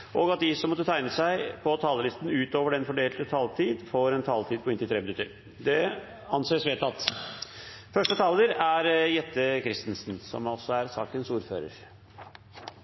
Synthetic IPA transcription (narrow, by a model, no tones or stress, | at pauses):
ʔɔɡɑt̪̚d̪ɪsɔmːɔt̪ːət̪ʰæɪnəsæɪpʰɔt̪ʰɑːləlɪst̪n̩ʉːt̪oːʋəɖɛnfɔɖeːlt̪ət̪ʰɑːlt̪ʰiːd̪foːɾɛnt̪ʰɑːlt̪ʰiːd̪̚pʰɔɪnɪlt̪ʰɾeːbənʏt̪ːəɾ | d̪ɛ | ɑnseːsʋeːt̪ɑt̪ː | fœʂʈət̪ʰɑːləɾæɾjɛt̪ːəkʰɾɪst̪ənsnsɔ̰mɔsɔæɾsɑ̰ːkənsuːɾfø̰ːɾə̰ɾ